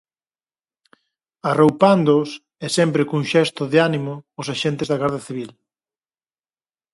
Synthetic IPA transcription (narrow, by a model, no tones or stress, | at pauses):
arowpand̪ʊs | ɛsɛmpɾɪkuŋʃɛst̪ʊðɪanimʊːsaʃɛnt̪ezðɐɣaɾðɐθiβ̞il